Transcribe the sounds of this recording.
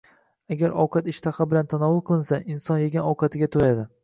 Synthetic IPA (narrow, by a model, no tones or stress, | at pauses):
aɡʲaɾɒ̰wqʰɑt̪ɪʃt̪ʰaχɪbɪlant̪ʰanɒvʊlˠqʰɨlˠɪnsaʔɪnsɒnjeɡʲanɒwqʰɑt̪ʰɪɡʲat̪ʰoɾad̪ɪ